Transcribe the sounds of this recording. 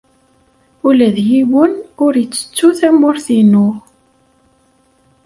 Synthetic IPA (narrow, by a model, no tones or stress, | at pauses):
ulæðjiwənʊɾjət͡sːə̥t͡sːuθæmʊɾθinʊ